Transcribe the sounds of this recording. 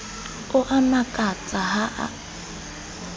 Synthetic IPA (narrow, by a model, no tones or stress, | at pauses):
ʊʔanakʼat͡sʼaɦaʔa̰